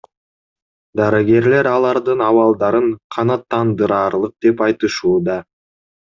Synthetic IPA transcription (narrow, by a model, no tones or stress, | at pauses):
d̪ɑɾɑɡʲe̞ɾle̞ɾɑlˠɑɾd̪ɯnɑwɑlˠd̪ɑɾɯɴqʰɑnɑt̪ʰːɑnd̪ɯɾɑːɾlˠɯq̚d̪e̞pɑjt̪ɯʃuːd̪ɑ